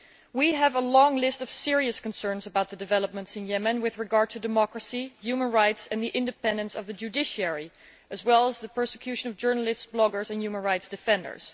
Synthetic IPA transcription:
wiəvəlɔ̃ŋlɪstʌv̥sɪɹiɨskə̃n̩sɜ̃˞nzəbaʊt̪̚ðədɨvɛlˠəp̚mə̃ntsɨ̃njɛmɨ̃nwɪðɹɨɡɑɹd̚tʰɨdɨmɑkɹəsijʉmə̃nɹaɪtsɨ̃nðiʔɪ̃ndɨpɛ̃ndɨ̃nsʌvðɨd͡ʒʉdɪʃiɛɹi | ɨzwɛlˠəzðəpʰɜ˞sɨ̥kʰj̥ʉʃɨ̃nʌvd͡ʒɜ˞nəl̩ˠɪstsb̥lɔɡə˞zɨ̃njʉmə̃nɹaɪtsd̥ɨfɛ̃ndə̰˞z̥

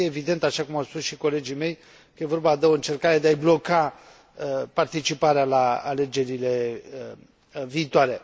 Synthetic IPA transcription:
eːvid̪e̞nt̪aʃakumawspusʃiko̞le̞d͡ʒime̞j | kəje̞vo̞rbad̪eo̞ɨnt͡ʃe̞rkaɾe̞d̪eajblo̞ka | part̪it͡ʃipaɾealaa̰le̞d͡ʒe̞ɾile̞ | viːt̪oaɾe̞

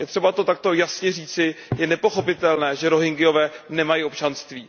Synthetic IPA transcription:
jɛt̪r̝̥ɛbat̪o̞t̪ak̚t̪o̞jasɲɛriːt͡sɪjɛnɛpo̞xo̞pɪt̪ɛlnɛːʒɛɾo̞ɦɪŋɡɪjo̞vɛːnɛmajio̞pt͡ʃanst̪viː

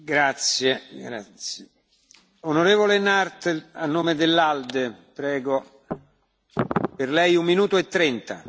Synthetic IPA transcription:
ɡɾat̪sjeɡɾat̪sj | onoɾeːvolenart̪anːoːmed̪elːald̪epɾɛːɡo | perlɛjummːinuːt̪oet̪ːɾɛnt̪a

